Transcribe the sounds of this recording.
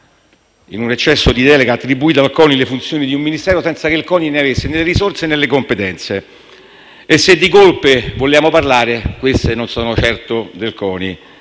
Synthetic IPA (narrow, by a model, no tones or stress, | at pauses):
ḭnunet͡ʃːɛsːod̪id̪ɛːleɡaːt̪ːɾibːuiːt̪alkɔːnilefunt̪sjoːnid̪iumːinist̪ɛːɾosɛnt̪sakeilkɔːnineavesːenelːeɾisort̪senːelːekompet̪ɛnt̪se | esːed̪ːikolpevoljaːmoparlaːɾekwest̪enonsɔːnot͡ʃɛrt̪od̪elkɔːni